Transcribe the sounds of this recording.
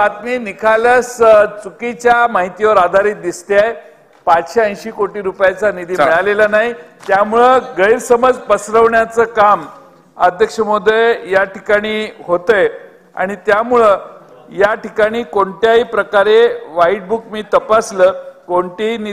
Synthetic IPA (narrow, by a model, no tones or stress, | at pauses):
at̪miːnikʰalast͡sukit͡ɕjamaɦit̪iʋəɾad̪ʱaɾiːt̪̚d̪ist̪eaj | pat͡sɕeə̃j̃ɕiːkoʈiːɾupjat͡sanid̪iːmeɭalelanaɦit̪jamuɭəɡəjiɾsəməd͡zpəsɾəʋɳjat͡səkam | əd̪ʱjəkʂəmod̪ʱejaʈikaɽ̃iːɦot̪əj | a̰ɽ̃it̪jamuɭə | jaʈikaɽ̃iːkoɳʈjaipɾəkaɾeʋaiʈ̚bukmiːt̪əpasləkoɳʈini